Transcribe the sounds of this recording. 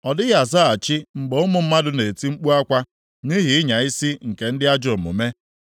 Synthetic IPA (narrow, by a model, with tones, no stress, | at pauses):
ɔ˨dɪ˦ɣa˨za˦a˨t͡ʃɪ˦ŋ͡m̩˨ɡ͡bo˨ʊ˦mʊ˨m̩˦ma˦dʊ˦ne˨ti˦ŋ͡m̩˦k͡pu˦a˦kʷa˦ | ni˦ɦi˨˦ɪ˦ɲa˨i˦si˦ŋ̩˨ke˨n̩˦dɪ˦a˦d͡ʒo˨mʊ̰˨me˦